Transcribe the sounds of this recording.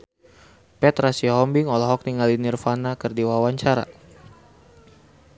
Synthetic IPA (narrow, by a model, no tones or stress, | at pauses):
pɛt̪ɾasiɦɔmbiŋɔlaɦɔk̚niŋalinirfanakɨrdiwawaɲt͡ʃaɾa̰